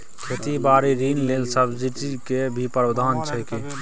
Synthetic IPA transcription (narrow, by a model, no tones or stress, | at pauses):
kʰeːt̪ibaːɾiɾiːnleːlsəbd͡ʒiʈikebʱipəɾbəd̪ʱaːnt͡ʃʰɛke